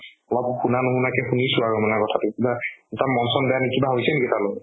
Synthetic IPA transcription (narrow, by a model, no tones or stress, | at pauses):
ɔlɔb̚xʰunanʊɦunakɛxunisʊaɹɔmanɛkɔtʰatʊkibaɛtamɔnsɔnbɛanikibaɦojsɛnkitalo